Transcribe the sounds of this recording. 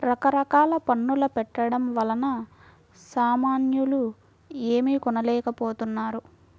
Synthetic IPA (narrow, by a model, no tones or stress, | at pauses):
ɾɐkɐɾɐkaːlɐpɐnːulɐpɛʈːɐɽɐmʋɐlɐnɐ | saːmaːnjulu | eːmikɔnɐlɛːkɐpoːt̪unːaːɾu